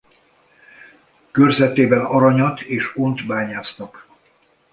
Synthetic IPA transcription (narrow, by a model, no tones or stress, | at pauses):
kørzɛt̪eːbɛnɒɾɒɲɒt̪eːʃont̪baːɲaːsnɒk